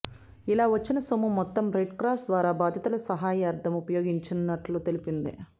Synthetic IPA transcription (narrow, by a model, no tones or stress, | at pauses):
ilaːʋɐt͡ʃːinɐsomumːɔt̪ːɐmɾeɖkɾaːsd̪ʋaːɾaːbaːd̪ʱjɐt̪ulɐsɐɦaːjɐɐɾt̪ʰɐmupɐjo̞ːɡiɲt͡ʃinːɐʈlut̪e̞lipind̪ḭ